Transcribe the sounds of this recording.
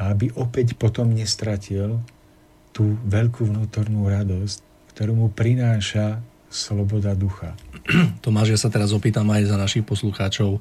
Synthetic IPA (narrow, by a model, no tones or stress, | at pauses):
aabiʔɔpɛcpɔt̪ɔmɲɛst̪ɾacil | t̪uːʋɛʎkuvnuːt̪ɔɾnuɾad̪ɔsc | kt̪ɔɾuːmupɾinaːʃa | slɔbɔd̪ad̪uxa̰t̪ɔmaːʒɪjasat̪ɛɾazɔpiːt̪amajzanaʃixpɔsluxaːt͡ʃɔʊ